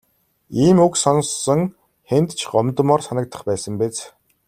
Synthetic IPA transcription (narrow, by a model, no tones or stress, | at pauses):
iːmuksɔnsːɞ̆ŋ | χent̪t͡ɕʰɢɔmt̪ə̆mɔrsanə̆k̚t̪ə̥̆χpæːsə̆mpet͡s